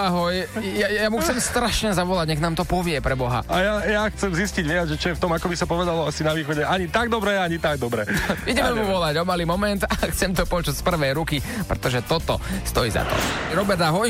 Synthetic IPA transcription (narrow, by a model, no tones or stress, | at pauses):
aɦɔjjajamuxt͡sɛmst̪ɾaʃɲɛzaʋɔlaɟɲɛɣnaːmt̪ɔpɔʋɪɛpɾɛbɔɦa̰ajajaxt͡sɛmzisciɟʋɪad͡zʒɛt͡ʃɔjɛft̪ɔmakɔbisapɔʋɛd̪alɔasinaʋiːxɔɟɛaɲit̪aɡ̚d̪ɔbɾɛaɲit̪aɡd̪ɔbɾɛiɟɛmɛmuʋɔlaɟɔmaliːmɔmɛnt̪axt͡sɛmt̪ɔpɔt͡ʃucspr̩ʋɛjɾukipɾɛt̪ɔʒɛt̪ɔt̪ɔ̰st̪ɔjḭza̰t̪ɔ̰ɾɔbɛɾd̪aɦɔj